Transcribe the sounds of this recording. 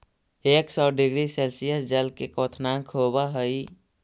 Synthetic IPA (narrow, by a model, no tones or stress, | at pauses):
eːksɔːɖɪɡɾiseːlsijəsd͡ʒəlkekɔːt̪ʰnãkʰɦoːbaɦəi